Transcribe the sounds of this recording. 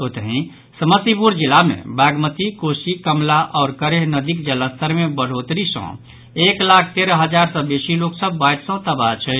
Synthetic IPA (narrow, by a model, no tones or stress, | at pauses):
ɦot̪əɦĩ | səməsipuɾd͡ʒilamḛbaɡmət̪ikosikəmlaʔɔʊɾkəɾeɦnəd̪ikd͡ʒələst̪əɾmebəɽ̤ot̪ɾisə̰̃ | eklak̚ʰt̪eɾəɦəd͡ʒaɾsə̃besiloksəbːajʈsə̃t̪əbat͡ʃʰɛ